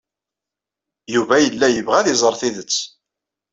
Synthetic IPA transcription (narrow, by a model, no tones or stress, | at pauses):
juvæjəlːæjəvʁæðizˤəɾˤθiðət͡sː